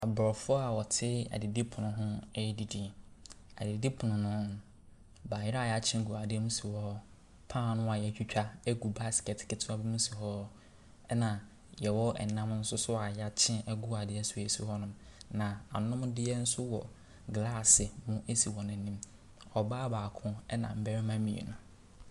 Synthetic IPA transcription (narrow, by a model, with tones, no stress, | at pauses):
a˨bɾɔ˨fʊ˦ɔ˦a˨wɔ˨tʰɪ˦a̰˨dɪ˨di˦pʰʊ˨nʊ̃˨ɦʊ̃˦ɛ˦di˦di˨ | a̰˨dɪ˨di˦pʰʊ˨nʊ̃˨nʊ̃˦ | baː˨jɪ˦a˦˨ja˨t͡ɕʰɪ̃˦ɡu˨a˨dɪ˦ɛ˦mũ˦si˨hɔ˦ | pʰã˦˨nʊ̃˦a˨jɛ˨t͡ʃᶣi˦t͡ɕᶣa˦e˦ɡu˨ba˦skɛ˨tʰɪ̥˨kɪ˨tʰʊ˦a˦bi˦mũ˦si˨hɔ˦ | ɛ˦nã˨ | jɛ˨wɔ˦ɛ̰˨nã˦m˦n̩˦sʊ˦sʊ˦a˨ja˦t͡ɕʰɪ̃˦nɛ˦ɡʊ˦a˨dɪ˦ɛ˦sʊ˨e˨su˦hɔ˦nʊ̃˨mnã˨a˨nʊ̃˦mdɪ˦ɛ˦n̩˦sʊ˦wɔ̰˨ | ɡla˦˨sɪ˨mʊ̃˦ʔe˦si˨wɔ˨nʊ̃˨nĩ˦m | ɔ˨baː˦baː˨kʰʊ̃˦ɛ˦nã̰˨m̩˦bæ˦ɾɪ˦mã˦mĩ˨ḛ˨nʊ̃˨